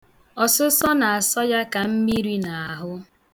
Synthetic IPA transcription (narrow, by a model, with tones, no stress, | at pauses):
ɔ˨sʊ˦sɔ˦na˨a˨sɔ˦ja˦ka˨m̩˦mi˦ɾi˦na˨a˨ɦʊ˦